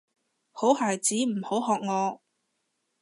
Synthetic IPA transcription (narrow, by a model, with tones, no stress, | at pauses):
ho˨˥whaː˨jt͡siː˨˥m̩˨˩ho˨˥wɦɔː˨k̚ŋɔː˨˧